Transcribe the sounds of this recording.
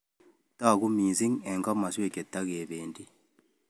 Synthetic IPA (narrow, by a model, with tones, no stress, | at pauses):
ta˦˨ku˦miː˨si˦ŋɛ˨ŋɡa˦ma˨swe˦˨ke˨tːa˦ɣe˨βeːndi˦